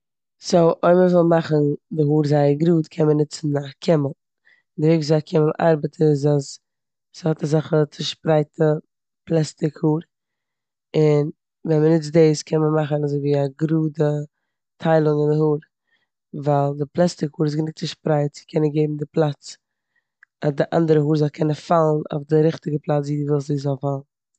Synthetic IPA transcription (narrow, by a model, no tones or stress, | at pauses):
soʔɔɪməvɔlˠmaχəndɪɦuːɾzaɪəɡɾuːtkʰɛnmənɪt͡sn̩akʰɪməlˠ | dɪɾɪkzaakʰɪməlˠʔa̰ɾbətʰəɪzas | shɔtazaχət͡sɪʃpɾaɪtʰə | plˠɛstɪkhuːɾ | ɪn | vɛnmənɪt͡sdeɪskɛnməmaχənazoɪviːaɡɾuːdə | tʰaɪlˠʊŋɪndɪhuːɾ | valˠdɪplˠɛstɪkhuːɾɪs̬ɡənɪt͡sɪʃpɾaɪtt͡sɪ̥kʰɛnənɡeɪbm̩dɪplˠat͡s | adɪʔa̰ndəɾəɦuːɾzɔlˠkʰɛnəfalˠn̩o̰ʊfdɪɾɪχtɪɡəplˠat͡sviːdəvɛlˠsiːzɔlˠfalˠn̩